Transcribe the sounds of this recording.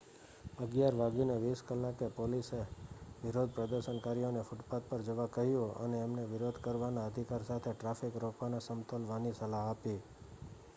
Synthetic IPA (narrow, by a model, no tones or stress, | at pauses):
əɡjaɾʋaɡineʋiskəlːakepoliseʋɪɾod̪̚ʱpɾəd̪əɾʃənkaɾionefuʈpat̪̚pəɾd͡ʒəʋakəɦjũə̰neːmneʋɪɾod̪ʱkəɾʋanaəd̪ʱikaɾsat̪ʰeʈɾafikɾokʰʋanasəmt̪əlʋanisəlaɦapi